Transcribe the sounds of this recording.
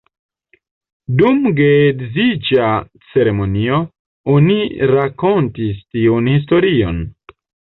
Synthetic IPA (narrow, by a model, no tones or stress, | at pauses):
dumɡedzid͡ʒa | t͡se̞ɾemonio | oniɾakontistiunhis̬to̞ɾio̰n